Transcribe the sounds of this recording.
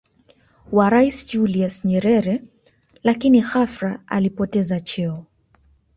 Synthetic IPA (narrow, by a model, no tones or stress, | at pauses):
waɾaisd͡ʒuliasɲɛɾɛɾɛ | lakinixafɾaa̰lipɔtɛzat͡ʃɛɔ